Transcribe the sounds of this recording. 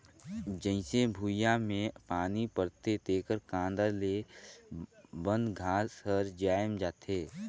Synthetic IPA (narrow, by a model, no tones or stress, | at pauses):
d͡ʒə̃ɪ̃sebʱuːjamẽpaːnipəɾt̪et̪eːkəɾkãːnd̪əle | bə̃nd̪ɡʱaːsəɾd͡ʒaːjəmd͡ʒaːt̪ɦeː